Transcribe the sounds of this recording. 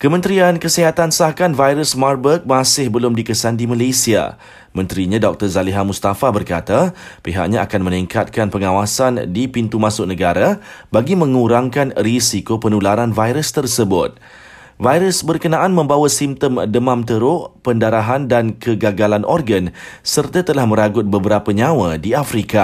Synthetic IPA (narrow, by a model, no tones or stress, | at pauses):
kəmə̃nt̪ɾiankəsəɦat̪ansahkanvajɾəsmarbək̚mãsɪhbəlʊmdikəsandimalasia̰ | mə̃nt̪ɾiɲãdɔk̚t̪ərzaliɦamust̪afabərkat̪apeɦa̰ʔ̚ɲãakanmə̃niŋkat̪̚kanpəŋawasandipint̪umãsʊʔ̚nə̃ɡaɾabaɡimə̃ŋuɾaŋkanrisikopənulaɾanvajɾəst̪ərsəbʊt̪̚ | vajɾəsbərkənãʔanmə̃mbawasimt̪əmdəmãmt̪əɾʊʔpəndaɾaɦandankəɡaɡalanʔɔrɡənsərt̪at̪əlahmə̃ɾaɡʊt̪̚bəbəɾapaɲãwadiafɾika